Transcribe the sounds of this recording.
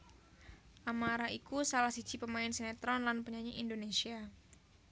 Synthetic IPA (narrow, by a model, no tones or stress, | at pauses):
ʔamaɾaʔikusalahsi̥d͡ʒ̥ipəmaɪnsenat̪ɾɔnlanpəɲaɲiindonesia